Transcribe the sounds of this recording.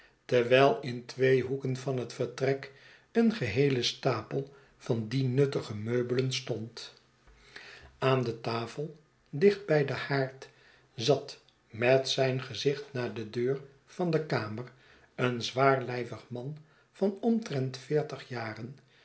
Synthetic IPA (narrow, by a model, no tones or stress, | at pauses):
təɹʋɛjlˠɪntʋejɦukənvɑnɦətfəɹtrɛk | ənχəɦejləstaːpəlˠ | v̥ɑndinɵtəχəmøɥbələnstɔnt | aːndətaːfəlˠ | dɪχt̚bɛjdəhaːɹt | zɑt | mɛtsɛjnχəzɪχtnaːdədøːɹ | v̥ɑndəkaːmər | ənzʋaːɹlɛjvəχmɑn | v̥ɑnɔmtrɛntfɪːɹtəχjaːrən